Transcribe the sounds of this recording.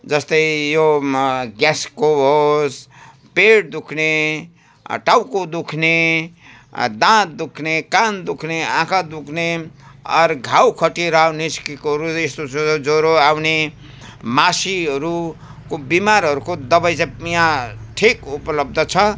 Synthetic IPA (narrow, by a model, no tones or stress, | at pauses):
d͡zʌst̪ʌjjo | ɡaskoɦos | peɽd̪ukʰne | ʈawkod̪ukʰne | d̪ãd̪ukʰnekand̪ukʰneãkʰad̪ukʰneʌ̰ɾɡʱawkʰʌʈiɾawniskikoɦʌɾuest̪osod͡zoɾoawne | masiɦʌɾu | kobimaɾɦʌɾukod̪ʌbajt͡sãpijãʈʰikupʌlʌb̚d̪ʱʌt͡sʰʌ